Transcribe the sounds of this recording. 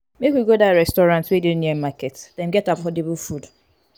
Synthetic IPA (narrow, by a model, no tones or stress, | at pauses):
mekwiɡodaɹɛstɔɹãntswedidniɛmakɛtsd̥ɛ̃mɡɛtapɔdibul̩fud